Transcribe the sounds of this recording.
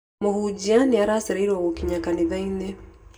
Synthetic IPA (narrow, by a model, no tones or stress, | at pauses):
mohuːd͡ʒianiaɾaseɾaiɾwaɣokiɲakaniðaine